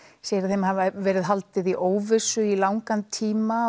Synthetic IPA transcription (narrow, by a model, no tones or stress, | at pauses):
sjɛɾ̥θejmhavvɛːɾɪðɦalt̪ɪðiʔoːwvɪsʏilaːwŋkant̪ʰiːma